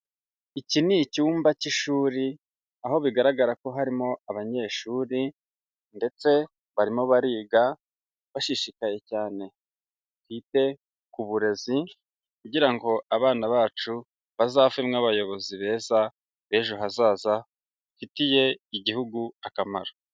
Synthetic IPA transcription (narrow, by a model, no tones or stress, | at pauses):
icinicuːmbaciʃuːɾi | aɦo̞βiɡaɾaɡaɾako̞ɦaɾimo̞aβaɲe̞ːʃuːɾi | nde̞t͡se̞ | βaɾimo̞βaɾiːɡa | βaʃiʃikaje̞caːne̞ | kwiːte̞ | kuβuɾe̞zi | kuɟiɾaŋɡo̞aβaːnaβaːt͡ʃu | βazaːvemŋaβajo̞βo̞ziβe̞ːza | βe̞ːʒoɦazaːza | fitije̞iɟihuɡuakama̰ɾo